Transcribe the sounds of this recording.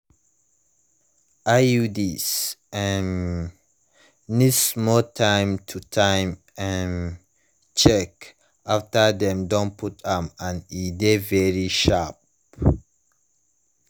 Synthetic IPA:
ʔaudisɛ̃n | nismɔtʰãɪ̃mtʰutʰãɪ̃m | ãn | t͡ʃɛk | ʔaftədɛ̃mdõnpʰutãmãnidevɛɹiʃap

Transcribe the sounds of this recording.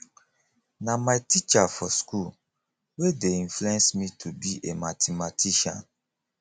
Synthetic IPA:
namaɪtit͡ʃafɔskul | wedeĩnfluɛ̃nsmitʰubiʔematʰematʰiʃã̰n

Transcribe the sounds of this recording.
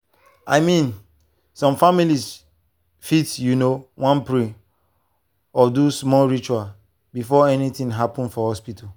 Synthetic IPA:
a̰ɪmĩn | sɔ̃mfamilis | fitjunowãnpɹĩ | ɔdusmɔlɹit͡ʃual | bifɔɛnitĩŋɦapɔ̃nfɔhɔspitʰa

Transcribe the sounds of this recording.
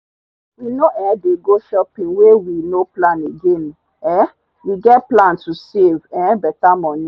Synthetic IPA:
winoʔɛ̃deɡoʃɔpĩnwewinoplãneɡẽn | ɛ | wiɡɛt̚plãntusevɛ̃bɛtamɔ̃nĩ

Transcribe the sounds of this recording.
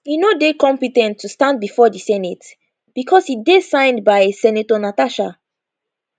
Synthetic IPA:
hinodekɔ̃mpitɛ̃ntʰːustãn̚bifɔdisɛnit | b̥ikʰɔshidesãɪ̃ndbaɪsɛnitɔnataʃa

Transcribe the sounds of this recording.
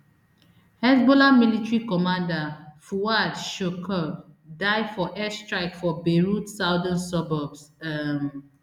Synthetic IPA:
hɛsbɔlamilitɹikɔmãndafuadʃokʰɔ | daɪfɔʔɛstɹaɪkfɔbeɹutsaʊdə̃nsɔbɔbsm

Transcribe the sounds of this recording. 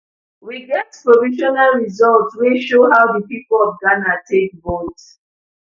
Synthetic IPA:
wiɡɛtpɹɔviʃɔnalɹizɔltsweʃoɦawdəpipəlɔvɡanatʰek̚bɔt

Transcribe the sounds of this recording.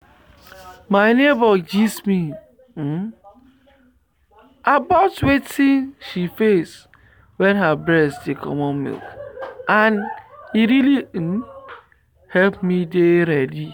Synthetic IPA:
maɪnebɔd͡ʒismi | abaʊtwetʰĩnʃifes | wɛ̃nɦabɹɛsdekʰɔ̰mɔnmḭlkãniɾili | hɛlpmideɾɛdi

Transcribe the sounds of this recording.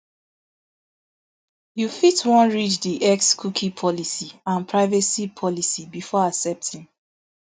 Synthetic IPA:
jufitwɔ̃nɹit͡ʃdiʔɛkskʰukʰipʰɔlisiãnpʰɹaɪvɛsipʰɔlisibifɔasɛp̚tʰĩn

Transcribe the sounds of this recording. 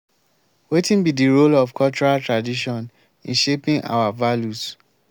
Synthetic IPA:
wetĩnbidiɹolɔvkʰɔlt͡ʃɔɾaltɹadiʃɔ̃n | ḭ̃nʃepĩŋa̰wavaljus

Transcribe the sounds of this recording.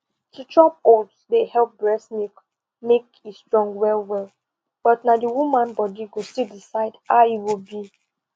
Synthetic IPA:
tʰutʰɹɔp̚odsdehɛlp̚bɹɛsnik | mek | estɹɔ̃ŋɡwɛlwɛlˠ | b̥ɔtnadəwumãnbɔdiɡostildisaɪdaiwilbi

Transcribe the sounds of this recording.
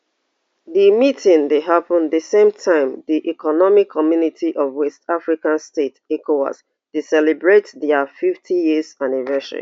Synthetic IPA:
ðimitʰĩndeɦapə̃nðəsẽmtʰãɪ̃mðiʔikʰɔnɔmikʰːɔmjunitʰiʔɔvwɛstafɹikãnstetɛkʰoa̰s | d̥isɛlibɹetðafiftʰijizanivɛsə̰ɹḭ

